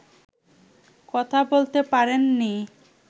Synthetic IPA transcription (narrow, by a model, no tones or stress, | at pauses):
kɔt̪ʰabolt̪epaɾenːi